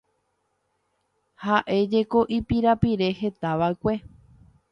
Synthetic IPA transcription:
haʔe̞d͡ʒe̞ko̞ʔipiɾapiɾe̞he̞t̪aʋakʷe̞

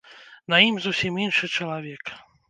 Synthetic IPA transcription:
nɐimzusʲiminʂɨt͡ʂɐlˠavʲɛk

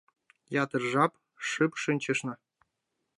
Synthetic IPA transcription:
jɑt̪ɤ̆rʐɑp | ʂɨpʂɨnʲt͡ɕɘ̆ʂnɤ̆

